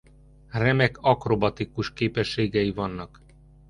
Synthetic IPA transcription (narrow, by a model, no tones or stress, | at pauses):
rɛmɛkɒkro̞bɒt̪ikuʃkeːpɛʃːeːɡɛjivɒnːɒk